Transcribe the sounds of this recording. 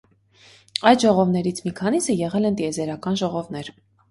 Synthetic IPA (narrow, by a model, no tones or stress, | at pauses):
ɑjd̪ʒɔʁɔvnɛɾit͡sʰmikʰɑnisəjɛʁɛlɛnt̪iɛzɛɾɑkɑnʒɔʁɔvnɛɾ